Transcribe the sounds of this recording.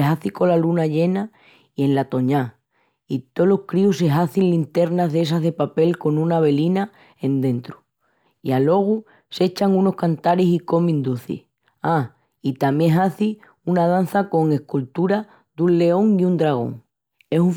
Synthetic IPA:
eɦaθiko̞lalunaʎe̞na | ie̞nlat̪o̞ɲa | it̪o̞lohkɾiuse̞ɦaθinlint̪e̞ɾnaɦðe̞s̬aɦðe̞pape̞lko̞nũnaβe̞lina | e̞nd̪ẽ̞nt̪ɾu | ialo̞ɣ̞u | se̞t͡ʃaŋuno̞hkant̪aɾesiko̞mĩnd̪uθḭ | a | it̪amjẽ̞ɦaθi | unað̞an̟θako̞ŋe̞hkult̪uɾa | d̪unle̞o̞ŋiund̪ɾaɣ̞o̞̰ŋ | e̞suɱ

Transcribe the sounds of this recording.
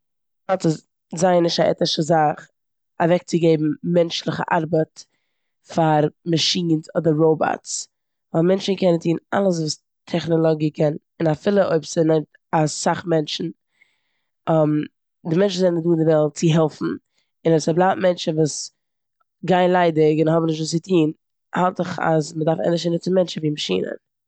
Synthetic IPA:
ɔtə | zaɪnɪʃtaʔɛ̰tnɪʃəzaχ | avɛk̚t͡sɪɡeɪbm̩mɛnt͡ʃlˠɪχə̰ʔaɾbət | faɾmaʃiːnsɔdəɾɾoʊbɔ̰ts | ɔmɛnt͡ʃn̩kʰɛnəntʰiːna̰lˠəs̬vuːs | tʰɛχnɔlˠɔɡikʰɛn | ɪnafɪlˠəʔoɪpsənɛmt | asaχmɛnt͡ʃn̩ | m | dɪmɛnt͡ʃn̩zɛnnduːɪndɪvɛlˠt̚t͡sɪɦɛlˠfn̩ | ɪnɛsablˠaːtmɛnt͡ʃn̩vuːs | ɡaɪnlˠaɪdɪɡɪnhɔbm̩nɪʃtvuːsɪtʰiːn | halˠtɪχa̰zmədaɾfɛ̰nɪʃɛnət͡sɪmɛnt͡ʃn̩viːmaʃḭːnə̰

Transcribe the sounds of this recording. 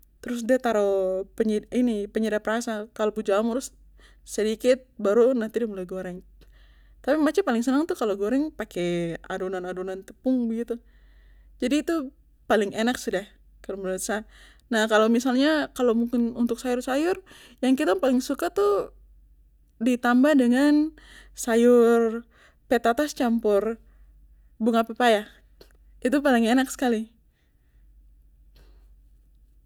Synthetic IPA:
t̪əɾʊs̬diat̪aɾopəɲiinipəɲidapɾasakalobud͡ʒamɾʊs | sədikɪt̪̚baɾunaht̪idimulajɡoɾɛŋ | t̪apimat͡ʃapalɪŋsənaŋt̪ukaloɡoɾɛŋpakea̰dunanadunant̪əpʊŋbəɡit̪u | d͡ʒadiːt̪u | palɪŋɛnaksədah | kaluməlasa | nahkalawmisalɲakalowmuŋkɪnunt̪ʊk̚sajʊrsajʊr | jaŋkit̪apalɪŋsukat̪u | dit̪ambahdəŋan | sajʊr | pet̪at̪ast͡ʃampʊr | buŋapepaja | it̪̬upalɪŋenaksə̥kali

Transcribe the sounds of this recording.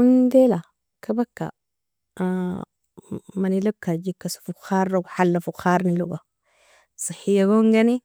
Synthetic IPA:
und̪ela | kʰabakːa̰ | manilakːad͡ʒikːasu̥fuxaːɾːaɡħalːafuxaːɾˤniluɡa | sɨħijaɡoŋɡani

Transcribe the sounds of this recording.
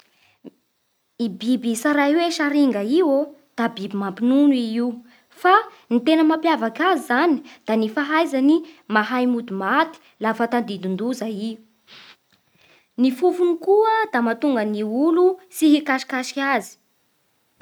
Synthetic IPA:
ibibisaɾajweʃaɾiŋɡaiwod̪̥abibimampinuniiu | fa | nit̪enəmapjavakazizani̥d̪̥anifaɦajzanimaɦajmud̪umat̪i̥ | lafat̪and̪ind̪und̪uzaiu | nifufunikuəd̪amat̪uŋɡəniulusiɦikaʃi̥kaʃi̥kʲazi̥

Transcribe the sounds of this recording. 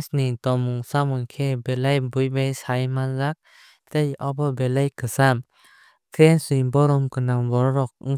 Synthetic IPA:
snitɔmuŋsamunkʰebelajbujbajsajmanzak̚ | tejɔbɔbelajkʰɯsam | tʰɾensijbɔɾɔmkɯnambɔɾɔɾɔk̚ɯŋ

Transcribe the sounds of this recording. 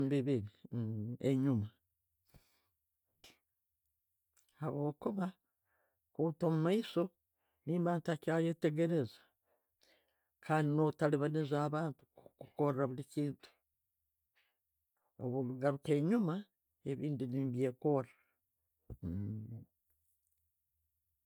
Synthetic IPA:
mbiβiɾi | ḛɲuma | haβo̞ːkuβa | kuːtomumaiso̞ | niːmaːntakaje̞te̞ɡe̞ɾe̞zḁ | kʰaːndinotaliβanizaːβaːntu̥kuko̞ɾeɾaβuliciːntu̥ | o̰βuluɡaɾuke̞ːɲuma | e̞βiːndiniːmbje̞ko̞ɾa

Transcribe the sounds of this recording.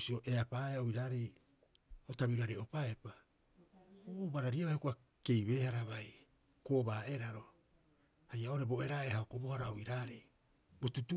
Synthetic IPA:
sio̞ʔeapaːeoiɾaːɾej | otaβiɾuaɾeo̞paepa | obaɾaɾiaβajhokoa | ke̞jβeːhaɾaβaj | koːbaːeɾaɾo̞ | hajao̞ɾe̞bo̞e̞ɾaehaokobohaɾaoiɾaːɾej | bo̞tutu

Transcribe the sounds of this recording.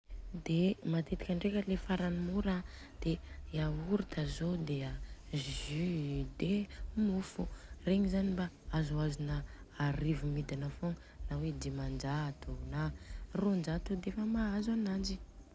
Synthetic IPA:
d̪emat̪et̪i̥kʲaɳɖ͡ʐekʲəlefaɾanimuɾa | d̪̥eauɾit̪azod̪eaʒyd̪emufureɲizanimba | azuazunəaɾivumid̪anəfoŋ | nawed̪emand͡ʒat̪unarond͡ʒat̪ud̪eefəmaazanad͡ʒi

